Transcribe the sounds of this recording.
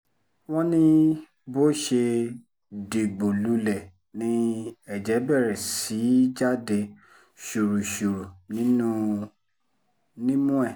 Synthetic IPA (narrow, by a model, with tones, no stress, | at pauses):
w̃ɔ̃˦nĩ˦ | bo˦ʃe˧ | de˨ɡ͡bo˨lu˨˦lɛ˦˨ | nĩ˧˦ɛ˨d͡ʒɛ˨˦bɛ˦˨ɾɛ˨si˨˦d͡ʒa˦de˧ | ʃu˨ɾu˨ʃu˨ɾu˨nĩ˨˦nũ˦ | nĩ˦mũ˦ɛ˦˨